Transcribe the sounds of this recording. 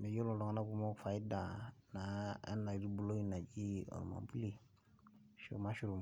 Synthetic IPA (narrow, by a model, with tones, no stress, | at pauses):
mɛ˨jo˦lɔ̃˨lɔ˨ŋa˦na˦ku˦mɔ˦˨fa˨i˦da˨na˨a̰˦nna˨i˦ɾi˦bo˦lo˦i˦na˨d͡ʒi˦ɔ̰˨ɾṵ˨mã̰˨bu˦li˦˨ | ʃo̰˨ma˦ʃu˦ɾu˨m˨